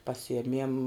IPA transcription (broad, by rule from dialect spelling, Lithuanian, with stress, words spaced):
pɐˈsʲɪjɛmʲiɛm